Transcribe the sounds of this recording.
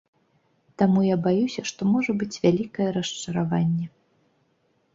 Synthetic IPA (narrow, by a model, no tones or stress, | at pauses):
t̪amujabajusʲɐʂt̪ɔmɔʐɐbɨt͡sʲvʲalʲikɐjɛɾɐst͡ʂɐɾavanʲːɛ